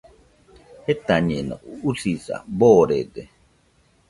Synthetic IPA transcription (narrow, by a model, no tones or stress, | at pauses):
het̪aɲena̰ʔuusisa̰boːɾede